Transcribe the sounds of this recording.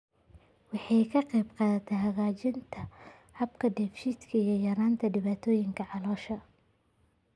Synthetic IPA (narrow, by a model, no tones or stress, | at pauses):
wɑħɑjkʰɐqɑjbqɑːðɐt̪ʰɛɦɐɣaːt͡ʃɪnt̪ʰɐ | hɐbkʰɐdɛːfʃit̪kʰɐijɞjɐɾaːnt̪ʰɐdɪβaːt̪ʰɔːjɪŋkʰɐʕɑlɔːʃɐ